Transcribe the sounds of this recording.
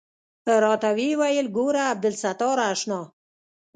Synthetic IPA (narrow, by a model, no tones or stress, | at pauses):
əɾɑt̪awiwajəlɡoɾaːb̚d̪ɪlsat̪ɑːɾaːʃnɑː